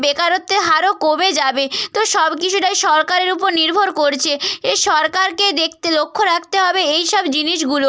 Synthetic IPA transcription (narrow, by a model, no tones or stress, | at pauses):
bekaɾot̪ːeɦaɾokomed͡ʑabet̪oʃɔbkit͡ɕʰuʈajʃɔɾkaɾeɾupoɾniɾbʱoɾkoɾt͡ɕʰeeʃɔɾkaɾked̪ek̚ʰt̪elokʰːoɾak̚ʰt̪eɦɔbeejʃɔbd͡ʑiniʃ̬ɡulo